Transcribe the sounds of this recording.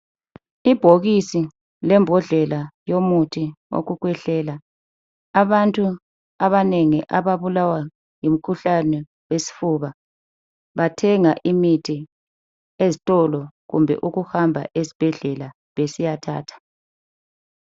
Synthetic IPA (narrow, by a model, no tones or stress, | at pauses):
ib̥ʱoɣisi | lɛmbʱɔɮɛlajomutʰio̰ɣuɣwɛɬɛːlaː | βantʼu | aβaneŋiʔaβaβulawa | jim̩kʰuɬanɛ | wesi̥fuβa | βatʰɛŋaʔimitʰi | ezitʼɔlɔɣumbʱɛ̰ʔuɣuhambʱa̰ʔezi̥b̥ʱɛɮɛla | βesijatʰa̰ːtʰḁ